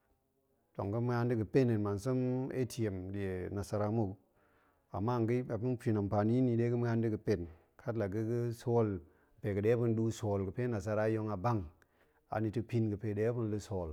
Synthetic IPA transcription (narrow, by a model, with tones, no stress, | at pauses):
to˨ŋ˨ɡə˦m˦a˦ndi˦kə˨pe˦ne˨nma˨nsə˦mḛ˦ti˨e˨mɗi˨e˨na˨sa˨ɾa˦˨˦mu˦˨k | a̰˨mːa˦˨ŋɡə˦a˨pu˦npi˨na˨mpa˨ni˦ni˨ɗe˦kə˦m˦ŋa˦ndi˦kə˨pe˦˨n | kʰa˦tla˨ɡə˦kə˦so˦l | pe˨kɨ˨ɗe˦pu˦n˦ɗu˦so˨lkə˨pe˦na˨s̬a˦ɾa˦jo˦ŋa˨ba˦ŋ | a̰˨ni˨tɨ˦pi˦nɡɨ˨pe˨ɗe˦pu˦n˦lɨ˦so˨l